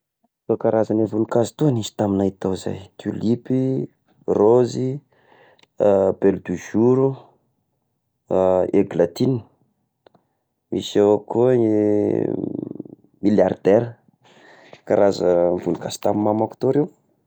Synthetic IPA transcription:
kakaɾazanevulukazi̥t̪onizi̥t̪aminait̪aza̰jt̪ʰulipi | rozi | belud̪uʒuɾu | eɡlat̪ini̥ | misewaku | miljard̪̥ɛɾə | kaɾazəvulukaz̥i̥t̪amimamaku̥t̪oɾew

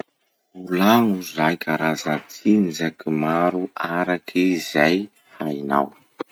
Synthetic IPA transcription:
ulaŋuzrajkʲaɾazat͡sʰinzakimaɾuaɾakʰizaj | faina̰w

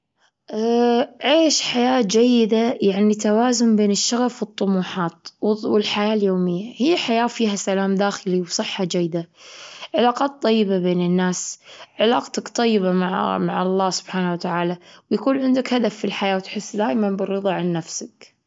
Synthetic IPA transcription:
ʔaʕeːʃħajaːtd͡ʒajːɪd̪ajaʕnit̪awaːzʊmbeːnɪʃːɑɣɑfwɨt̪ˤːʊmuːħɑːt̪wwɪlħajaːljoːmɪjːahijːħajaːfiːɦasalaːmd̪aːxɪliwsˤɨħːɑd͡ʒajːɪd̪aʕɪlaːqɑːt̪ˤːɑjːɪbabeːnɪnːaːsʕɪlaːqt̪akt̪ˤɑjːɪbamaʕmaʕɑlˤːɑːsʊb̥ħaːnawat̪aʕaːlawjakuːnʕɪnd̪akhad̪afːilħajaːwt̪ħɪsːd̪aːʔmanbɪrːɨðˤɑʕanːafsak

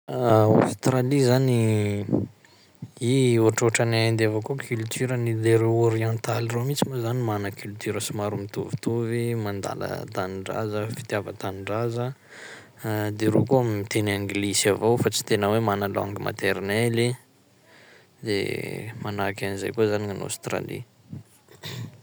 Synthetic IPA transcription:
a̰st̪ralizani | ioʈ͡ʂoʈ͡ʂannd̪evokokʰylt̪ʰyɾənileɾewoɾiãnt̪alromit͡simazanimanəkylt̪yɾəsimaɾumit̪uvi̥t̪uvimand̪a̰lə̰t̪anɳɖ͡ʐa̰zəfi̥t̪javət̪anɳɖ͡ʐazə | d̪eɾo̰koamimit̪enaŋɡlisavowfat͡si̥t̪enəwemanalo̰ŋɡimʔa̰t̪eɾnɛli | d̪ḛmanakʲaniza̰jkozaniŋano̰st̪ɾa̰lḭ

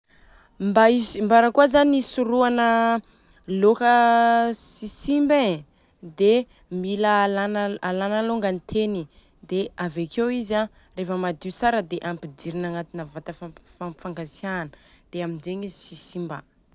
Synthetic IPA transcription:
mbaizimbaɾəkuazaniisuɾuanə | lokə | sisimbe | d̪e | miləlanalanaloŋɡanit̪ʰeni | d̪eavekewiza | refəmad̪iusaɾəd̪eʔampid̪iɾinaŋat̪inəvat̪əffafaŋɡasijanə̥d̪̥eamind͡ʒeɲizsisimba̰

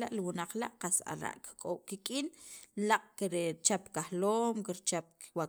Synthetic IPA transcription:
laʔliwunaq͡χla̰ʔqasa̰ɾa̰ʔki̥kʼow̥kikʼinlaqʼkiɾet͡ʃapkahloːmkiɾt͡ʃap̚wa

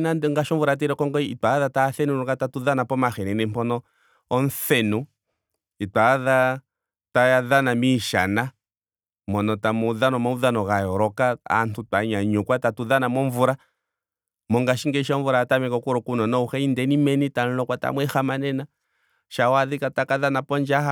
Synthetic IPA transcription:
naŋɡaʃɔɱvuɾat̬ɛɾɛkɔŋɡɔitaðataθɛnuɾɔkɡatatuðanapɔmaxɛnɛnɛm̩pɔnɔː | nθɛnu | itwaða | tajaðanamiʃa̰na | mɔnɔtamɔðanɔmauðanɔɣajɔɾɔkaa̰ntʰutwaɲaɲɔkwatatuðanamɔɱvuɾa | mɔŋɡaʃiŋɡɛʃɔɱvuɾatamɛkɔkuɾɔkunɔnɔuxɛindɛnimɛnitanɔlɔkwata̰mwɛxamanɛna | ʃawaðikatakaðanapɔnd͡ʒaha

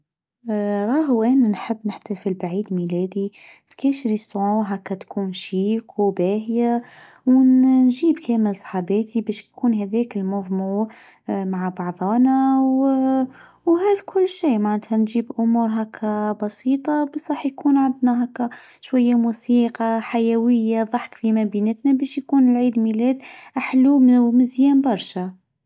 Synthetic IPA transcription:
ɾˤɑːɦwʔæːnænħəbːnɪħt̪æfilbaʕiːd̪milæːd̪ifi̥kæːʃɾisʕuːɦakːæt̪kʰuːnʃiːkbæːɦja | wnnʒiːbkæːməlsˤħɑbæːt̪ʰibæːʃjkuːnɦæðɛːkɪlmʊðˤmuː | maʕbɑʕðˤɑːnaw | whæːðkʰʊlːʃiːmaʕnæt̪hænʒiːbʔʊmuːɾɦækʰːæbɑsiːt̪ˤɑbæsɾˤɑːħjkuːnʕand̪næɦækːæ | ʃwæjːamusiːqɑħajæwəjːaðˤɑħkfimæbiːnət̪næbæːʃjkuːnɪlʕiːd̪milæːd̪ʔaħlummɪzjæːmbɑɾˤʃæ

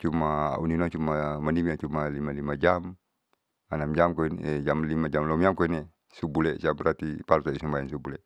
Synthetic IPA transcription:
t͡ʃuma̰uninɔt͡ʃumamanimiat͡ʃumalimalimad͡ʒam | anamd͡ʒamkoinɛd͡ʒamlimad͡ʒamlɔmiamkoinɛ | subulɛʔsiabəɾat̪ipaɾut̪adisumbaansubulɛʔ

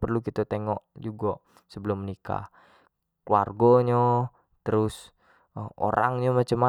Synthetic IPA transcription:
pərlukit̪at̪eŋɔʔd͡ʒuɡaʔ | səbəlʊmːənika̰ | klua̰rɡoɲo | t̪əɾʊs | o̰ɾʔa̰ŋɲɔmat͡ʃəma

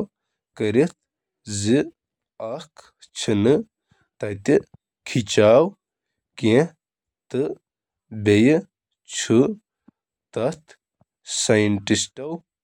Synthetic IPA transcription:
w | kɐɾit̪̚ʰ | zi | ɐk | t͡ʃʰinɨ | t̪ɐt̪i | kʰit͡ʃaːw | kẽ | t̪ɨ | bej | t͡ʃʰu | t̪ɐt̪ | sajiɳʈisʈɐw

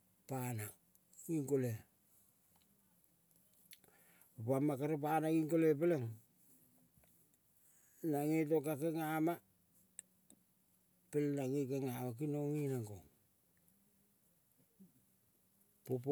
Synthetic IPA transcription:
pana | iŋkole | opamakaɾop̬anaɡiŋkolepeleŋ | naŋetokakeŋama | pelnaŋekeŋamak̬inoŋinaŋɡoŋ | pop̬

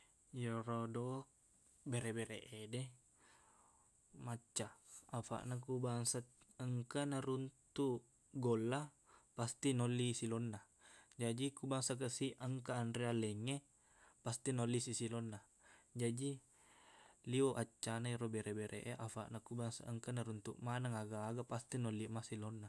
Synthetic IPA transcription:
joɾodo | beɾebeɾeʔede | mat͡ʃːaafa̰ʔnakubaŋsat̪əŋkanaɾunt̪u | ɡolːa | past̪inolːisilonːa | d͡ʒadikubaŋsak̬əsiʔəŋkaːndɾealɛŋe | past̪inɔlːisisilɔnːa | d͡ʒadi | lioʔat͡ʃːanaiɾobeɾʔebeɾʔḛʔeʔafa̰ʔnakubaŋsa̰əŋkanaɾunt̪ṵʔmanaŋaɡaːɡapast̪inɔlːiʔmasilɔnːa

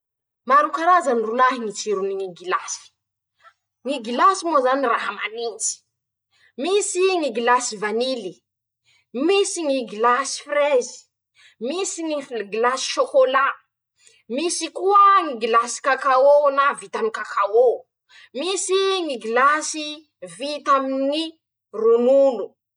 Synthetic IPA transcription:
maɾukaɾazanrulaɦiŋit͡siɾuniŋiɡilasi̥ | ŋiɡilasimozaniraɦamanint͡si̥ | misiŋiɡilasivanili | misiŋiɡilasi̥frezi̥ | misiŋifɡilasi̥ʃokola | misikuəŋiɡilasi̥kakaonavit̪amikakʰao | misiŋiɡilasi | vit̪amini | runulu

